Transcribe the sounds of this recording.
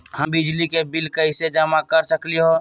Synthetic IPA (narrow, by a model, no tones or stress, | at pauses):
həmbɪd͡ʒlikebɪlkəɪsed͡ʒamakəɾsəkliɦo